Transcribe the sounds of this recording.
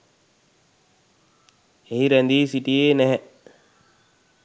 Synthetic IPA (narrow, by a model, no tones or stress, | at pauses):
eɦiɾɛnd̪iːsiʈieːnɛɦɛ